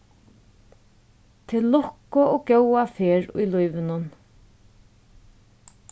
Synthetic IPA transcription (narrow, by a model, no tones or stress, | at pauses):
t̪ʰɪlːɔkːʊɔkjœwafeːɹʊ̰jlujʋɪnʊn